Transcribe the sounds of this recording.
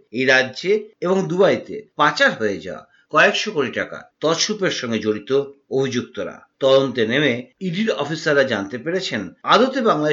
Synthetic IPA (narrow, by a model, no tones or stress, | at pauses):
ejɾadːʑeeboŋd̪ubajt̪ḛpat͡ɕaɾɦoed͡ʑa̰oa̰ | kɔekʃokoʈiʈaka̰t̪ɔʃupeɾʃɔŋɡed͡ʑoɽit̪oobʱid͡ʑuk̚t̪oɾa̰t̪ɔd̪ont̪enemeiɖiɾɔfisaɾːad͡ʑant̪epeɾet͡ɕʰenad̪ot̪ebaŋla